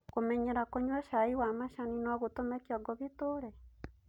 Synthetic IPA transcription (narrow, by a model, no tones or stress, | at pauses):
komɛɲɛɾakoɲwɛʃaiwamaʃaninɔɣotomɛkjɔɡɔɣetoɾɛ